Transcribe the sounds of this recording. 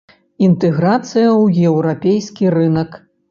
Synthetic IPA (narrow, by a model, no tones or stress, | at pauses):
int̪ɛɣɾat̪sɨjɐwjɛwɾapʲejsʲkʲirɨnɐk